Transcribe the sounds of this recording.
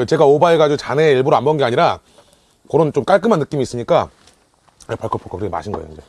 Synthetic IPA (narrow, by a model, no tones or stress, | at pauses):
t͡ɕe̞ɡaobaiɡad͡ʑt͡ɕane̞iɭbuɾoambʌnŋɡe̞aɲiɾa | koɾont͡ɕomk͈aɭk͈ɯmanːɯk͈imiːs͈ɯɲik͈a | paɭkʰopʰokʰokɯɾkema̰ɕʰinɡʌejo̰ind͡ʑe